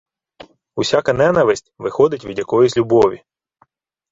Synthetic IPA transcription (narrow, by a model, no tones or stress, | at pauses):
usʲakɐnɛnɐʋɪsʲtʲʋɪxɔd̪ɪtʲʋʲid̪ʲjɐkɔjizʲlʲubɔʋʲi